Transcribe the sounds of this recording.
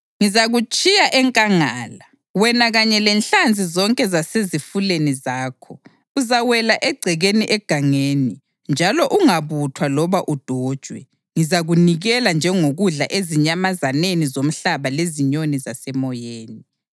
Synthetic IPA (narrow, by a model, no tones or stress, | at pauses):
ŋizaɣut͡ʃʼijaʔɛŋkʼaŋaːla | wɛnaɣaɲɛlɛnɬand͡zʱizɔŋkʼɛzasezifulenizaːkʰɔ | uzawɛlaʔɛɡ͡ǀʱɛɣeniʔɛɡ̥ʱaŋeːni | nd͡ʒʱalɔʔuŋaβutʰwalɔβaʔud̥ʱɔːd̥ʒ̥ʱwɛ̰ | ŋizaɣuniɣɛland͡ʒʱɛŋoɣuɮaʔeziɲamazanenizom̩ɬaβaleziɲonizasɛmɔjeːni